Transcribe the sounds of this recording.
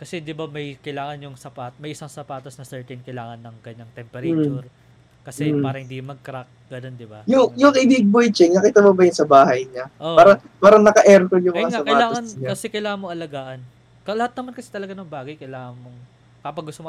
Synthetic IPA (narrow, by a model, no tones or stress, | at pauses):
kɐsɛd̪ɪbamɐjkɐjlaːŋɐnjʊŋsɐpat̪mɐjʔɪsaŋsɐpaːt̪ɐsnɐsɛɹt̪ɛnkɐjlaːŋɐnːɐŋkɐɲːaŋt̪ɛmpɛɾɐt͡ʃuɾ | kɐsɛpaːɾɐhɪnd̪imɐɡ̚kɾak̚ɡ̥ɐnond̪ɪbajʊŋjʊŋɪbiɡ̚bojt͡ʃɛŋnɐkiːt̪ɐmobɐjʊnsɐbaːhɐjɲaʔoaːɾɐ | paːɾɐŋnɐkɐʔɛɾkoljʊŋmɐaŋsaɐpkɐjaːlat̪ːɐŋsɐɪɲkɐsɛkɐjlaːŋɐnmːoŋʔɐlɐɡaːʔɐn | kɐlɐhat̪̚ɐmankɐsɛ̥t̪ɐlɐɡanɐŋbaːɡɐjkɐjlaːŋɐnmoŋ | kɐpɐɡʊst̪omo